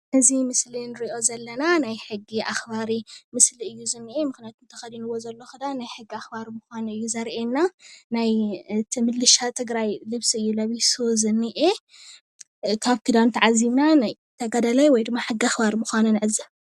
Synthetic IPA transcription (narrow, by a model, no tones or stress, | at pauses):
nɨzimɨslinɨɾiʔo̞zɐlːɐnanajħɨɡːiʔaxbaɾimɨsliɨjːuzɨnːiʔemɨxnijat̪ʰumt̪ʰɐxɐd̪inɨwo̞zɐlːo̞xɨd̪anajħɨɡːiaxbaɾmuxanɨjːuzɐɾʔenːanajt̪ʰɨmɨlːɨʃat̪ʰɨɡɾajlɨβsiɨjːulɐβisozɨnːiʔe | kʰaβkʰɨd̪ant̪ʰʕazimnanaj | t̪ʰɐɡad̪ɐlajwɔjd̪ɨmːaħɨɡiaxbaɾmɨxʷanɨnɨʕɨzːɨ